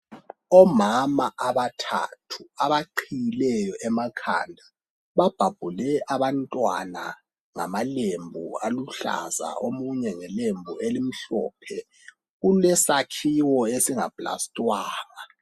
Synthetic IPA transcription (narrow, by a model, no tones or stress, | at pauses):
ɔmamaʔaβatʰa̰tʰuaβaǃʰijilɛjɔʔɛmakʰa̰ndʱa | βab̥ʱab̥ʱulɛʔaβantʼwa̰na̰ | ŋa̰malembʱṵaluɬa̰za̰omuɲɛŋɛlembʱuelim̩ɬɔ̰ːpʰɛ | ɣulɛsakʰiwɔesiŋa̰b̥ʼla̰stʼwaːŋa